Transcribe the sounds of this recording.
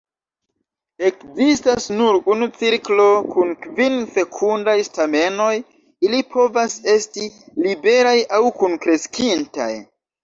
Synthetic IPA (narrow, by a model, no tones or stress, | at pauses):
e̞kzistasnuɾunut͡siɾklo̞kunkvinse̞kʰundajstame̞no̞j | ilipʰo̞vase̞stilibe̞ɾajawkunkɾe̞skinta̰j